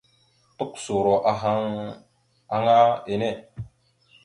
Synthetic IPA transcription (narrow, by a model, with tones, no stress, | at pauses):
tu˦kso˨ɾo˨ʔa˨ɦa˦ŋ | a˦ŋa˦e˨ne˦˨